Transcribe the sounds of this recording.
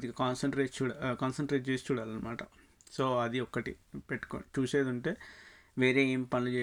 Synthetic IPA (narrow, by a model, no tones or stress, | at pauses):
d̪iɐkaːnsɐɳʈɾeːʈt͡ʃuːɽakaːnsɐɳʈɾeːʈ̚t͡ʃeːsi̥t͡ʃuːɽaːlɐnːɐmaːʈɐ | so̞ːɐd̪iɔkːɐʈḭpeʈːu̥ko̰t͡ʃuːse̞ːd̪uɳʈe̞ː | ʋeːɾe̞ːeːmipɐnlɐt͡ʃeː